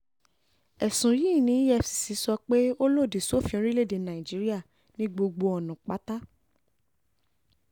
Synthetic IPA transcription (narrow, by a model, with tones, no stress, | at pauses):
ɛ˨sũ˨jiː˦˨nĩ˨˦jɛ˧˨si̥˨si˨˦sɔ˧k͡pe˦o˦lo˦˨di˨su˨˦o˦fĩ˧ɔ̃˦ɾi˦le˦˨de˧˨nã˨i˨d͡ʒi˨˦ɾi˦a˦˨ | nĩ˦ɡ͡bo˧ɡ͡bo˧ɔ˨nũ˨k͡pa˨˦ta˦